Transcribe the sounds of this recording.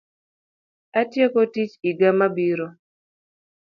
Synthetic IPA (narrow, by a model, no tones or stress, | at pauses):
atjekotit͡ʃiɡamabiɾo